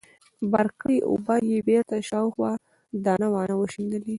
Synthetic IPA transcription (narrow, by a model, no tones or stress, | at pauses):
baɾkəjʔo̰bɑjebeɾt̪aʃɑwxwɑ | d̪ɑnawɑnawəʃind̪əli